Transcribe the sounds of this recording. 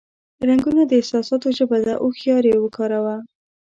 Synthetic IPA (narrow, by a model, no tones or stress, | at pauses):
ɾaŋɡunad̪əɪhsɑsɑt̪oʒəbad̪aʔoxjɑɾewəkɑɾawa